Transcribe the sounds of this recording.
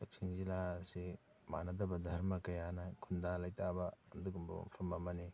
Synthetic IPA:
lɐk̚siŋzilasi | ma̰nɐdɐbɐdʱɐɾmɐkɐjanɐkʰundalɐjtʰabɐːnduɡumbṵmpʰɐmːɐmɐni

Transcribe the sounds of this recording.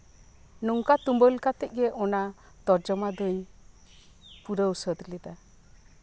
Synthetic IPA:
nɔŋkat̪umbəlkat̪ɛc̚ˀɡɛʔɔna | t̪ɔɾd͡ʒɔmad̪əɲ | puɾəwsəd̪lɛd̪a

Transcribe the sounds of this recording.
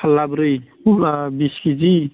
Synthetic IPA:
əlːabɾɯj | abiskid͡ʒi

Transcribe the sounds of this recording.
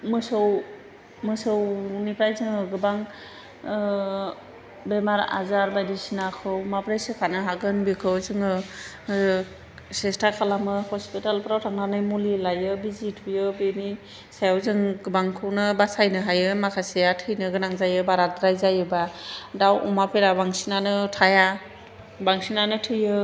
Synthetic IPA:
mɯsɯw | mɯsɯwnipʰɾajzɯŋɯɡɯbaŋ | bemaɾa̰zaɾbajdisinakʰɯwmapɾejsɯkʰanɯɦaɡɯnbikʰɯwzɯŋɯ | sestakʰalamɯhɔspitalpɾawtʰaŋnanɯjmulilajɯbizitʰujɯbeni | sajawzɯŋɡbaŋkʰɯwnɯbasajnɯɦajɯmakʰasijatʰɯjnɯɡɯnaŋzajɯbaɾadɾajzajɯbadawʔumapʰeɾabaŋsinanɯtʰaja | baŋsinanɯtʰɯjɯ

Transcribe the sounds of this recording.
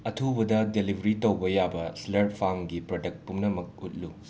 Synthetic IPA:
ɐtʰubɐdɐdelibʱɐɾitɐwbɐjabɐslɐɾtpʰaŋɡipɾodɐk̚t̚pumnɐmɐk̚ut̚lu

